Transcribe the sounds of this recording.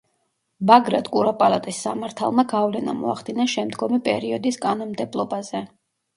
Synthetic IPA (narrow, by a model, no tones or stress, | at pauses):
baɡɾad̪kʼuɾapʼalˠat̪ʼisːamaɾt̪ʰa̰lˠmaɡavlɛna̰mɔ̰aχd̪inaʃɛmd̪ɡɔmipʼɛ̰ɾiɔd̪iskʼanɔnmd̪ɛblˠɔbazɛ